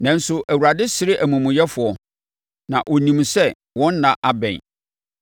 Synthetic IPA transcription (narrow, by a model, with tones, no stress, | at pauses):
nã˨n̩˦sʊ˦ʔæ˨wu˨ɾa˨dɪ˦sɪ˦ɾɪ˦ʔæ˨mũ˨mũ˨jɛ˦fʊ˨ɔ˨ | nã˨ʔɔ˨nĩ˨msɛ˦ | wɔ̃˦nː˦ã˨ʔa˦bɛ̰̃˨n